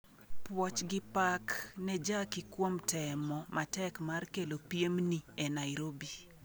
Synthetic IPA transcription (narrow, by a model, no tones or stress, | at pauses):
pwɔt͡ʃɡɪpaknɛd͡ʒakikwomtɛmɔmatɛkmarkelopjemniɛnajɾobi